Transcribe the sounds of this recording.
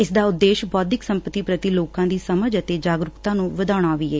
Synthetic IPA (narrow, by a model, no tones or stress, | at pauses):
ɪsd̪aːʊd̪ːeːʃbɔːd̪ɪksəmpət̪iːpɾət̪iːloːkãːd̪iːsəməd͡ʒət̪eːd͡ʒaːɡɾʊkt̪ãːnũːʋəd̪aːɽ̃aːʋiːɛː